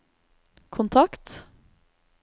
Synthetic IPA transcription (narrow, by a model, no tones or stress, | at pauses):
kʰʊnt̪ʰɑkt̪